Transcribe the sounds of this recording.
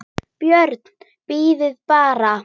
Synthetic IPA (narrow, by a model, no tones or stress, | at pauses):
pjœɾt̪n̥ | piːðɪðpaːɾa